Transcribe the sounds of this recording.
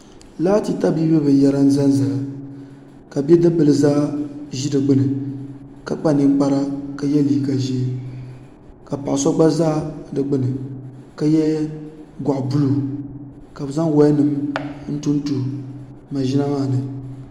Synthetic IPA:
laː˦ti˨ta˦bi˦bɛ˦bɨ˨n˨jɛ˦ɾa˦n̩˦za˦n˦za˨la˨ | ka˨bɛ˦dɨ˦bɨ˨lɨ˨zaː˦ʒi˦dɨ˨ɡ͡bɨ˦nɨ˨ | ka˨k͡pa˦ni˦ŋ˦k͡pa˦ɾa˦ka˨jɛ˦liː˨˦˨ɡa˨ʒeː˦ | ka˨pa˨ʔa˨sɔ˦ɡ͡ba˦zaː˦dɨ˨ɡ͡bɨ˦nɨ˨ka˦jɛ˦ | ɡʷa˨ʔbu˦lu˨ | ka˨bɨ˨za˦ŋwa˦nɨ˨mn̩˦tu˦n˦tu˨ma˨ʒi˦na˦a˦˨nɨ˨

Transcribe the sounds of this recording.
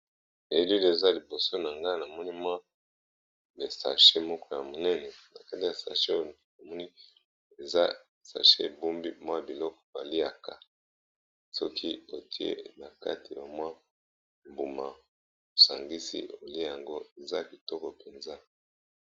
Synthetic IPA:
e˨˦lu˦li˨e˨za˦li˨bo˨so˦na˨ŋɡa˦na˨mɔ˦ni˦mwa˦ | be˨sa̰˨ʃe˦mɔ˦kɔ˦ja˨mo˨nɛ˦nɛ˨na˨ka˦ti˨ja˨sa̰˨ʃe˦o˦˨ | na˨mɔ˦ni˦ | e˨za˦˨ | sa̰˨ʃe˦˨bu˦mbi˦mwa˦bi˨lɔ˦kɔ̥˨ba˨li˦a˨ka˨ | sɔ˦kʰi˦o˨tʰi˦ḛ˦na˨ka̰˦ti˨ja˨mwa˦˨ | mbu˨ma˨ | o˨sa˨ŋɡi˦sḭ˦ʔo˨li˦˨ja˨ŋɡo˦e˨za˦bi˨tɔ˦kɔ˨pe˨nza˦

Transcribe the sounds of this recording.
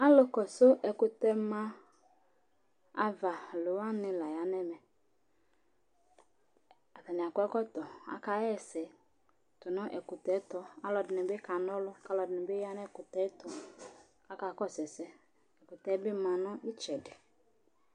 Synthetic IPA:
a˦lʊ˦kɔ˨sʊ˦ʔɛ˨kʊ˨tɛ˦mã˦ | a˦va˨lʊ˨wa˦nɪ˨la˨ja˨nɛ˦mɛ˨ | a˨ta˨nɪ˨a˨kʷɛ˦kɔ˦tɔ˨a̰˦ka˨˦jɛ˦˨sɛ˨ | tʊ˨nɔ˦ʔɛ˨kʊ˨tɛ˨˦tɔ˦a˦lɔ˨dɪ˨nɪ˨be˦ka˨nɔ˦lʊ˦ka˦lɔ˨dɪ˨nɪ˨be˦ja˦nɛ˦˨kʊ˨tɛ˦tɔ˨ | a˦ka˨˦kɔ˦˨sɛ˨sɛ˦ | ɛ˨kʊ˨tɛ˨˦bɪ˦ma˨nʊ˦ʔɪ˦t͡ʃɛ˨dɪ˨

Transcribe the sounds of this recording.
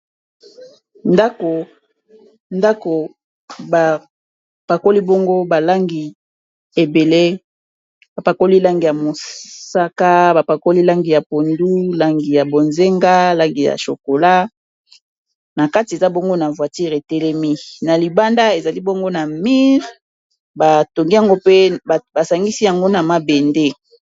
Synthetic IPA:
nda˦ko˨ | nda˦ko˨ | ba˨ | pa˨ko˦li˦bo˦ŋɡo˦ba˨la˦ŋɡi˨ | e˨be˨le˦ | ba˨pa˨ko˦li˦la˦ŋɡi˨ja˨mo˨sa˦ka˦ba˨pa˨ko˦li˦la˦ŋɡi˨ja˨po˨ndu˦la˦ŋɡi˨ja˨bo˨nze˦ŋɡa˦la˦ŋɡi˨ja̰˨ʃo˨ko˨la˦ | na˨ka˦ti˨e˨za˦bo˦ŋɡo˦na˨vwa˨ti˦ʁe˨tɛ˦lɛ˦mi˦na˨li˨ba˦nda˦e˨za˨li˦bo˦ŋɡo˦na˨mi˦ʁ | ba˨to˨ŋɡi˦ja˨ŋɡo˦pe˦˨ba˨sa˨ŋɡi˦si˦ja˨ŋɡo˦na˨ma˦be˨nde˦

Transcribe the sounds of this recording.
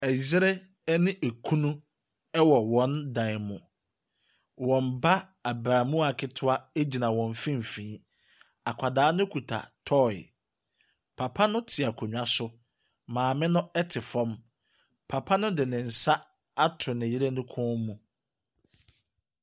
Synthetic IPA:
ɛ˨zɪ˦ɾɛ˦ | nɪ̃˦ʔæ˨kʰu˦nũ˦ | ɛ˦wɔ˨wɔ̃˨˦ndã˨ɪ˨mʊ̃˨ | wɔ̃˨mba˦ | a˨bɾaː˨mũ˦a˨kʰɪ˦tʰʊ˦a˦e˦d͡ʑi˨nã˨wɔ̃˨ɱ˨fĩ˦m˨fĩː˨˦ | a˨kʷʰa˨daː˦nʊ̃˦kʰu˨tʰa̰˨tʰɔ˦˨ɪ̰˨ | pʰa˨pʰa˦nʊ̃˦tʰɪ˨a˨kʰo˨ɲᶣ˨˦a˦sʊ˦ | mãː˨mɪ̃˦nʊ̃˦ɛ˦tʰɪ˨fɔ̃˦m | pʰa˨pʰa˦nʊ̃˦dɪ˨nɪ̃˨n̩˨sa˦ | a˦tʰʊ˨nɪ˨jɪ˦ɾɛ˦nʊ̃˦kʰɔ̃ː˦mũ˨

